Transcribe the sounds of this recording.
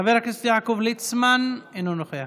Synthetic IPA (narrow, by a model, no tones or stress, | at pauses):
aveɾakesfjakovlit͡smanenunoχea